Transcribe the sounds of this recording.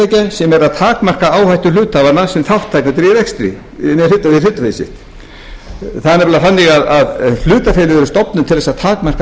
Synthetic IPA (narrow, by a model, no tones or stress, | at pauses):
ajcasɛmɛɾaðt̪ʰaːkmar̥kaaːwhajht̪ʏlʏːt̪avanasɛmθawht̪ʰːajknat̪̬ɾiɾɛkst̪ɾḭ | nɛlʏt̪ːaviilʏːt̪afesɪ̰ht̪ | θaðnɛvɛlafanːiɣaðaðl̥ʏːt̪afeːlɪðɛɾʏst̪ɔpnʏmt̪ʰɪlðɛsaðt̪ʰaːkmar̥ka